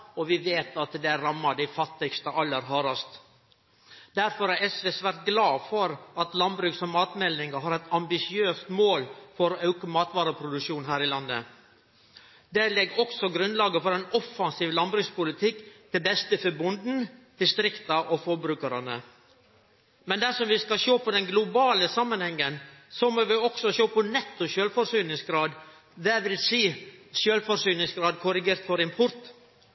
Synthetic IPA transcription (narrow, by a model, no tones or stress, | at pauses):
ɔʋɪʋeːt̪ɑt̪d̪ɛæɾːɑmːɑd̪æɪfɑt̪ːɪɡst̪əʔɑlːəɾɦɑːɾɑst̪ | d̪̥æɾfɔɾæɾɛsʋeːsʋæɾt̪̚ɡlɑːfɔɾɑt̪lɑnbɾʉːksɔmːɑːt̪mɛlnɪŋɡɑɦɑːɾɛt̪ɑmbɪsɪøːst̪moːlfɔɾɔʔœʉkəmɑːt̪ʋɑːɾəpʰɾʊd̪ʉkʂuːnɦæːɾɪlɑnːə̰ | d̪ɛlɛɡːɔksɔɡɾʉnlɑːɡəfɔɾɛnɔfɑnsiːʋlɑnbɾʉːkspʊlɪt̪ʰɪkːt̪ʰɪlbɛst̪əfəbʊnd̪n̩d̪̥ɪst̪ɾɪkt̪ɑʔɔfɔɾbɾʉːkəɾɑnə̰ | mɛnd̪æʂɔmʋɪskɑʃoːpʰɔd̪ɛnɡlʊbɑːləsɑmːənhɛŋːənsɔmɔʋɪɔksɔʃoːpʰɔnɛt̪ːʊʃøːlfɔɾsyːnɪŋsɡɾɑːd̪ | d̪ɛʋɪlsiːʃøːlfɔɾsyːnɪŋsɡɾɑːd̪̚kʰʊɾɪɡeːɾt̪fɔɾɪmpʰʊɾt̪